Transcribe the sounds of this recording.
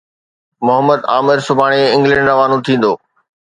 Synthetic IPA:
mʊɦəmːəd̪aːmɪɾsʊbʱaːɽ̃eɪ̃ŋɡlə̃ɳɖɾɐʋaːnũt̪ʰĩːn̆d̪oː

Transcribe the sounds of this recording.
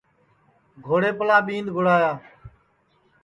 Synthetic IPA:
ɡʱoːɽeːpəlãːɓĩːnd̪ɡʱʊɽaːjaː

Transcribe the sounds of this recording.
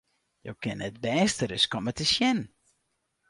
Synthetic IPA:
jo̰wkɪnɛt̚bɛːstəɾɪskɔmɛtəʃjɛn

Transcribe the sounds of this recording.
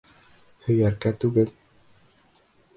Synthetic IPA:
hɵ̆jæɾkæt̪ʉɡɘl

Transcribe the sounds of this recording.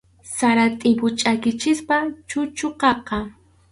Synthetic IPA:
saɾat̪ʼɪpʊt͡ʃʼakɪt͡ʃɪspat͡ʃʊt͡ʃʊqɑqɑ

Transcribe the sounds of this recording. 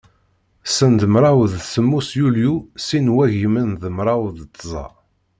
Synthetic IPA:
sənd̪əmɾˤɑwðsəmːusjuljusinwæʝəmənðəmɾˤawðt̪ːzˤɑ̰

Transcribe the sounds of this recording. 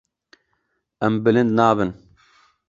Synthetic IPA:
ɛmbɨlɨnd̪naːbɨn

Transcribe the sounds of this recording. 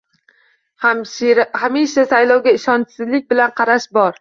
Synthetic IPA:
hamiʃasajlˠɒwɡʲaɪʃɒnsɪzlɪk̚ʲbɪlanqʰɑɾaʃbɒɾ

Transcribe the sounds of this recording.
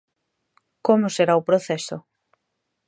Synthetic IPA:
komʊseɾaopɾoθɛso̰

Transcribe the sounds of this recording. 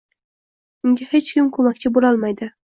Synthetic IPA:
ʊŋɡʲahet͡ʃkʲɪmkʰɵmakʲt͡ʃʰɪbolɒlˠmajd̪ɪ

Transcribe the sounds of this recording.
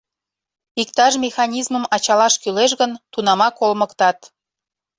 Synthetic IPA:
ikt̪ɑʒmʲexɑnʲizməmɑt͡ɕɑlɑʃkyleʃ̬ɣənt̪unɑmɑkolməkt̪ɑt̪

